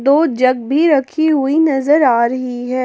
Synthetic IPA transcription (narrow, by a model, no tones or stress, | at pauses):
d̪oːd͡ʒɐɡ̚bʱiɾɐkʰiɦuinɐzəɾaːɾɐɦiɦɛː